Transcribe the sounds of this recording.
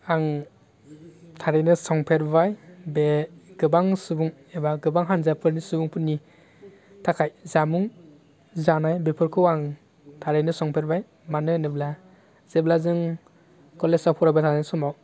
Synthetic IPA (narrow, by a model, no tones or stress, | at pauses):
aŋ | tʰaɾejnɯsɔŋpʰeɾbajbeɡɯbaŋsɯbuŋ | ebaɡɯbaŋɦanzapʰɯɾnisɯbuŋpʰɯnːi | tʰakʰajzamuŋ | zanajbepʰɯɾkʰɯwaŋ | tʰaɾejnɯsɔŋpʰeɾbaj | manɯnɯbla | z̥eblazɯŋ | kɔlesapʰɔɾabetʰanansɔmaw